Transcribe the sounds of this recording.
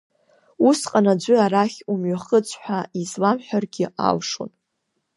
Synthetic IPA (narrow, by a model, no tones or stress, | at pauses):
usqʼanad͡ʒʷʏaɾaχʲumɥaχət͡sʷʰʼħʷᶣaizlamħʷᶣarɡʲɪa̰lʂo̰n